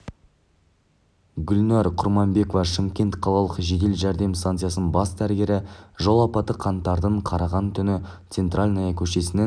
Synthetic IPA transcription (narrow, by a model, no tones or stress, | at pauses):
ɡʲʏlnɑɾqʰʊɾmɑmbe̞kovɑʃɪmkʲe̞nt̪qʰɑlˠɑlˠəqʒe̞d̪e̞lʒæɾd̪e̞mst̪ant̪sjasnənbɑsd̪æɾɡʲe̞ɾɪʒolˠɑpɑt̪əqʰɑnt̪ːɑɾd̪əɴqʰɑɾɑʁɑnt̪ʰʏnɪt̪se̞nt̪ralʲnɑjɑkʲʰɵʃe̞sɪne